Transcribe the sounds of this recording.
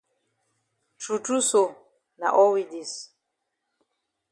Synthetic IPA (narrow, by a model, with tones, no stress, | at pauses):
t͡ʃu˨tu˦so˨ | na̰˨ʔɔ˦wi˨di˨s